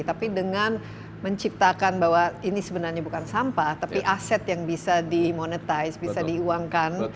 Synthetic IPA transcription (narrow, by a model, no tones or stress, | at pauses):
t̪apidəŋan | məɲt͡ʃip̚t̪akanbaɦwainisəbənarɲabukansampat̪apiʔasɛt̪jaŋbisadimonət̪ajsbisadiuaŋkan